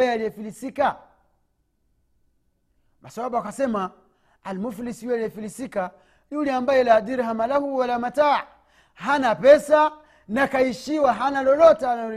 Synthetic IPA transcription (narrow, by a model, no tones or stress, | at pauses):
jɛaliɛfilisika | masawaɓaakasɛmaː | lmufulisijualiɛfilisika | nuliambajɛladiɾiɦamalahuwalamata | ɦanapɛsa | nakaiʃiwaɦanalɔlɔtɛana